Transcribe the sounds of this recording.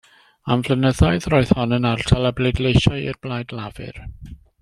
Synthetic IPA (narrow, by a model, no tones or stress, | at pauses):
aɱvlənəðaɨðrɔːɨð̥hɔnənartʰalˠabledlejʃajḭrblajdlavɨ̰r